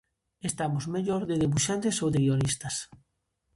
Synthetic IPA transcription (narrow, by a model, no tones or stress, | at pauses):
est̪amozmeʎoɾðeðeβuʃant̪esowd̪eβionist̪as